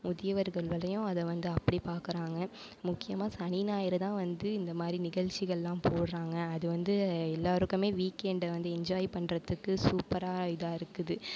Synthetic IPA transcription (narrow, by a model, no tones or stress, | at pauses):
mʊðɪjɐʋɐɾɣɐɭʋɐɭɐjʊ̃ɐðɛʋɐnd̪ɯɐpːɐɽipaːɾkɯɾaːŋɡɐ | mʊkːɪjɐmaːsɐninaːjɪɾɐt̪ãːʋɐnd̪ɯɪnd̪ɐmaːd̪ɾinɪɣɐɭt͡ʃːɪɣɐɭlãːpoːɽɾaːŋɡɐːðɯʋɐnd̪ɯɛlːaːɾɯkːɯmeːʋiːkeːɳɖɐʋɐnd̪ɯɛɲd͡ʒaːjɪpɐɳɾɐt̪ːɯkːɯsuːpɐɾaːɪðaːɪɾɯkːɯðɯ